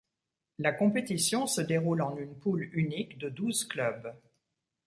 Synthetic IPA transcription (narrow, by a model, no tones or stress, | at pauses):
lakɔ̃pet̪isjɔ̃səd̪eʁulɑ̃nynpulynikd̪əd̪uzklœb